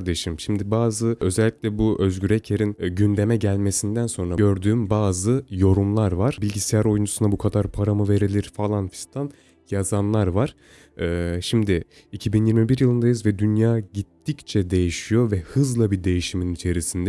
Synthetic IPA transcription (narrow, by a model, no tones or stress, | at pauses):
ɾd̪e̞ʃimʃimd̪ibaːzɯø̞zɛlʲːiclʲɛbuʔø̞zɟyɾɛcʰeɾinɟynd̪e̞mɛɟælʲme̞sind̪ænso̞nɾaø̞ɾd̪yːmbaːzɯjo̞ɾumlˠaɾvaɾ̥bilʲɟisɛjæɾo̞jund͡ʒusunabukʰad̪aɾpʰaɾamɯve̞ɾilʲiɾ̥falˠanfi̥st̪ʰan | jazanlˠaɾvaɾ̥ | ɛːʃimd̪ɪ | icʰibinjiɾmibiɾjɯlˠɯnd̪ajɯzvɛd̪ynjaːɟit̪ʰːict͡ʃʰɛd̪e̞jiʃijo̞vɛhɯzlˠabid̪e̞jiʃiminit͡ʃʰe̞ɾisind̪ɛ